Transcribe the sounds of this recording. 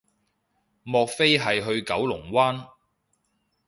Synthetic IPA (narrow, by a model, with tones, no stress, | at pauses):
mɔː˨˧k̚fe˥jɦɐ˨jɦɵ˧ɥkɐ˨˥wlʊ˨˩ŋwaː˥n